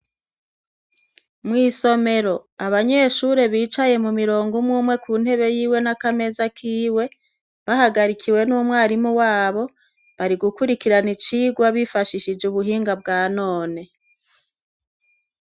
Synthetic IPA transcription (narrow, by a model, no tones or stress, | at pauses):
mŋiːso̞me̞ɾo̞aβaɲe̞ʃuɾe̞βiːt͡ʃaje̞mumiɾoːŋɡumŋuːmwe̞kuːnhe̞βe̞jiːwe̞nakame̞zakʰiːwe̞ | βahaɡaɾikʰiwe̞nuːmŋaːɾimuwaːβo̞ | βaɾiɡukuɾikiɾanit͡ʃiːɡwaβifaʃiʃid͡ʒuβuɦiːŋɡab̚ɡaːno̞ːne̞